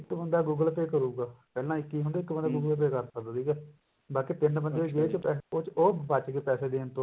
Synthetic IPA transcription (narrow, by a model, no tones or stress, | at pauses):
ɪkːbənd̪aːɡuːɡəlpeːkəɾuːɡaːpɛːlãːɪkːiːɦʊ̃nd̪eːɪkbənd̪aːɡuːɡəlp̬eːkəɾsəkd̪aːd̪iːɡɛː | baːkiːt̪ɪnbənd̪eːɡeːt͡ʃpɛːoːoːbat͡ʃkeːpɛːseːd̪eːnt̪õː